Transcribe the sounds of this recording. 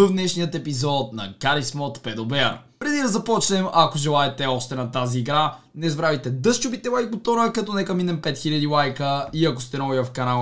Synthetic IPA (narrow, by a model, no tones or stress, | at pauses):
əvd̪nɛʃnijət̪ɛpizɔt̪̚nɐ̰ɡaɾismɔt̪pɛd̪obɛaɾ | pɾɛd̪id̪ɐzɐpɔt͡ʃnɛmɐkoʒɛlˠaɛt̪ɛɔʃt̪ɛnɐt̪aziːɡɾa | nɛzbɾavit̪ɛd̪ɤʃt͡ʃubit̪ɛlˠajkɡot̪ɔɾəkɐt̪ɔnɛkɐminɛmpɛt̪xiʎʲəd̪ilajkəiɐko̥st̪ɛnɔviɐfkɐnalˠ